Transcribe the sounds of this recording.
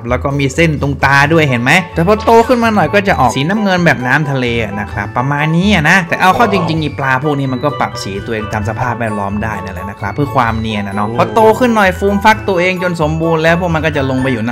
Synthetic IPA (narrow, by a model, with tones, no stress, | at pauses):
p̚lɛː˦˥wkɔː˥˩miː˧se˥˩nt̪u˧ŋt̪aː˧du˥˩əjɦe˩˦nma˦˥j̪ɛː˨˩pʰɔ˧t̪oː˧kʰɯ˥˩nmaː˧nɔ˨˩jkɔː˥˩t͡ɕa˨˩ʔɔː˨˩siː˩˦na˦˥mŋɤ˧nbɛː˨˩p̚naː˦˥mt̪ʰa˧leː˧ʔa̰˨˩na˦˥kʰɾa˦˥pːɾa˧maː˧nːiː˦˥a˨˩na˦˥ʔt̪ɛː˨˩ʔa˧wkʰɔː˥˩t͡ɕi˧ŋt͡ɕi˧ŋːʔiː˧˩plaː˧pʰuː˥˩k̚niː˦˥ma˧nkɔː˥˩pa̰˨˩p̚siː˩˦t̪u˧ʔeː˧ŋt̪ʰa˧ms̬a˧pʰaː˥˩p̚wɛː˥˩t̪̚lɔː˦˥mdaː˥˩jna˦˥˩lɛ˨˧˩na˦˥kʰɾa˦˥pʰːɯ˥˩kʰwaː˧mni˧˩ə˩na˦˥˩nɔ˦˥pʰɔ˧tp̪oː˧kʰɯ˥˩nːɔ˨˩jfuː˧mfa˦˥k̚t̪u˧ɐʔeː˧ŋt͡ɕo˧nso˨˩˦mbuː˧nlɛː˦˥wpʰu˥˩k̚m˧nkɔː˥˩t͡ɕa˨˩lo˧ŋpa˧jːuː˨˩n˦